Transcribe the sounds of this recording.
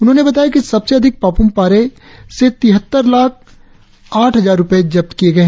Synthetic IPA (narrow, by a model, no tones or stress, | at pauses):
ʊnɦõːnebɐt̪aːjakisɐbseɐd̪ʱɪk̚paːpʊmpaːɾe | set̪ɪɦət̪ːəɾlaːk̚ʰ | aːʈʰɦɐzaːɾːʊpəed͡ʒɐp̚t̪kijeɡɐe